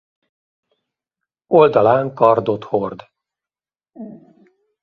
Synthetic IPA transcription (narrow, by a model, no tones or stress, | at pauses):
o̞ld̪ɒlaːŋkɒrd̪o̞t̪hord̪